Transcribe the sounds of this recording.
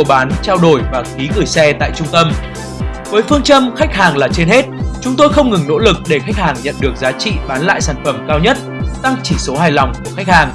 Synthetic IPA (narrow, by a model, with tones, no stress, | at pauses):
ɓaː˨˦nt͡ɕaː˧wɗo˧˩jvaː˨˩xi˨˦ɣɨ˧˩jsɛ˧t̪a̰ː˧˨jt͡ɕʊ˧ŋ͡mt̪ə˧m | vəː˨˦jfɨ˧əŋt͡ɕə˧mxa˦˥jk̚ɦaː˨˩ŋlaː˨˩t͡ɕe˧nhe˦˥t̚t͡ɕʊ˨˦ŋ͡mt̪o˧jxə˧wŋ͡mŋɨ˨˩ŋno̰˧˥lɨ˨˩k̚ɗe˧˩xa˦˥k̚haː˨˩ŋɲə̰˧˨nɗɨ˨˩ək̚zaː˨˦t͡ɕḭ˧˨ɓaː˨˦nla̰ː˧˨jsaː˧˩nfə˧˩mkaː˧wɲə˦˥t̚t̪a˧ŋt͡ɕḭ˧˨so˨˦ɦaː˨˩jlɔ˨˩wŋ͡mku˧˩əxa˦˥k̚haː˨˩ŋ